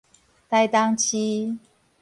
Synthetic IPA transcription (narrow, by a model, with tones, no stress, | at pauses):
t̪a˥˧ɪt̪a˦ŋt͡ɕʰi˦